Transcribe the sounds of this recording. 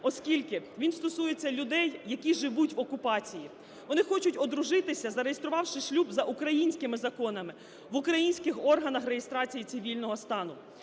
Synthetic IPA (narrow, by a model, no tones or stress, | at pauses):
ɔskʲilʲkɪʋʲinst̪ɔsujet͡sʲːɐlʲʊd̪ɛjːɐkʲiʒɪʋutʲʋɔkʊpɑt͡sʲiji | ʋɔnɪxɔt͡ʃʊtʲɔd̪ɾʊʒɪt̪ɪsʲɐzɐɾejest̪ɾʊʋɑwʃɪʃlʲubzɐʔukɾɐjinʲsʲkɪmɪzɐkɔnɐmɪ | ʋʊkɾɐjinʲsʲkɪxɔrɦɐnɐxrejest̪ɾɑt͡sʲijisɪʋʲilʲnɔɦɔst̪ɑnʊ